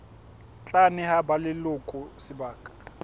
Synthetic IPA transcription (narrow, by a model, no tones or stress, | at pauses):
t͡ɬʼanɪhabalɪlʊkʼʊsɪbaːkʼḁ